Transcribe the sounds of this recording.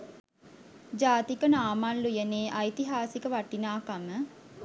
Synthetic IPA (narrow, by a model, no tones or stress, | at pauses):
d͡ʒaːt̪ikənaːmallujəneːʔajt̪iɦaːsikəʋaʈinaːkamə